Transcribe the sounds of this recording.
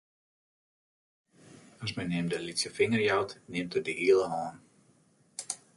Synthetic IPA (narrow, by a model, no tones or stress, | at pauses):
asmɛjnɪəmdəlitsəfɪŋərjawtnɪəmtədəʔiəlˠəɦɔːn